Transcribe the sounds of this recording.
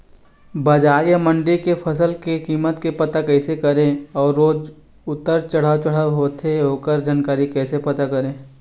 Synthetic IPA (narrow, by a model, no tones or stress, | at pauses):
bɐd͡ʒaːɾjamə̃ɳɖikepʰɐsəlkekiːmət̪kepɐt̪akɛːsekɐɾẽɔːɾːoːd͡ʒ | ʊt̪ːəɾt͡ʃɐɽ̤at͡ʃəɽ̤aɦoːt̪eɦoːkəɾd͡ʒaːnkaːɾikɛːsepɐt̪akɐɾẽː